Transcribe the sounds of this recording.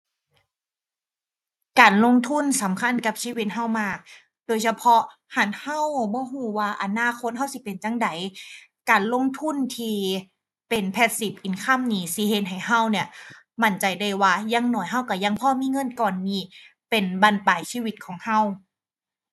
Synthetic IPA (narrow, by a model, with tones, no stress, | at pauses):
kaː˨˩nlo˧˥˨ŋt̪ʰu˧˥˩nsa˨˦mkʰa˧˥˨nka˧˦p̚siː˧˥˨wi˧t̪̚ɦa˧˥˩wmaː˧˩k̚ | doː˨jsa˧pʰɔ˧˥ | ha˨˧˦nha˧˥˩wbɔː˧˦ɦuː˧˩waː˧˩ʔa˨˧naː˧˥˩kʰo˧˥t̪̚ɦa˥˩wsi˧˦pe˨nt͡ɕa˧˥˨ŋda˨˦jkaː˨˩nlo˧˥˨ŋt̪ʰu˧˥˨nt̪ʰiː˧ | pe˨˩npʰɛː˧˩t̪̚si˨˩p̚ʔi˨˩nkʰa˧˥˨mniː˨˦si˧˦he˧˦t̪̚ɦa˨˩jɦa˧˥˩wni˧˩ɐ | ma˧˥˩nt͡ɕa˨˩jda˧˩jwaː˧ja˧˥˨ŋnɔː˨˩jɦa˧˥˩wka˧˩ja˧ŋpʰɔː˧˥˨miː˧˥˨ŋɤ˧˥˨nkɔː˨nːiː˧˩ | pe˨nbaː˧˨npaː˨˩jsiː˧˨wi˧˥t̪̚kʰɔː˩˦ŋha˧˩w